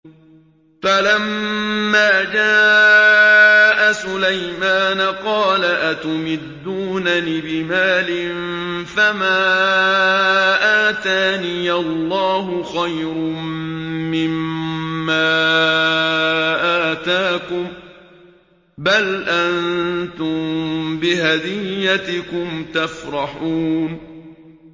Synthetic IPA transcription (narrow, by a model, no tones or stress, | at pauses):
falamːaːd͡ʒaː | ʔasʊlajmaːnaqɑːlaʔat̪ʊmɪd̪ːuːnaniːbɪmaːlɪnfamaː | ʔaːt̪aːnijalːɑːɦʊxajɾmmɪmː | aː | ʔaːt̪aːkʊm | balʔant̪ʊmbɪɦad̪ɪjːat̪ɪkʊmt̪afɾˤɑħuːn